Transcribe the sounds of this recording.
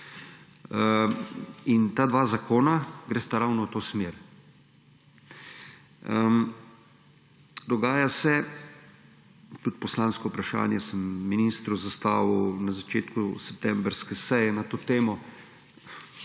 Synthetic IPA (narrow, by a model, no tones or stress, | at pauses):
int̪ad̪ʋaːzakʰoːnaɡɾeːst̪aɾawnɔwt̪oːsmeːɾ | d̪ɔɡaːjasɛ | t̪ut̪̚pɔslaːnskɔupɾaʃa̰ːnjɛsəmːiniːst̪ɾuzast̪aːʋunazat͡ʃeːt̪kusɛp̚t̪ɛmbɾskɛsɛjɛnat̪oːt̪eːmɔ